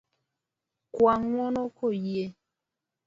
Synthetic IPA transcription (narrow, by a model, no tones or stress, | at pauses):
kwaŋmwɔnɔkʰojje